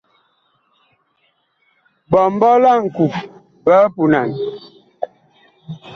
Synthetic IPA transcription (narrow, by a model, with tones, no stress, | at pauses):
bɔ˨m˦bɔ˦la˦˨ŋ̩˨ku˨p | bə˦pu˨na˨n